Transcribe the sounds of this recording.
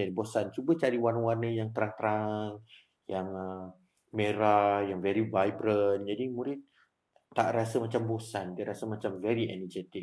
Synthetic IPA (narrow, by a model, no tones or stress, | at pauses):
adibosant͡ʃubət͡ʃaɾiwanəwanəjaŋt̪əɾaŋt̪əɾaŋ | jaŋə | meɾajaŋvɛɾibajbɾənd͡ʒadimuɾɪt̪̚ː | aʔɾasəmat͡ʃambosandiəɾasəmat͡ʃamvɛɾiɛ̰nəd͡ʒɛt̪ɪk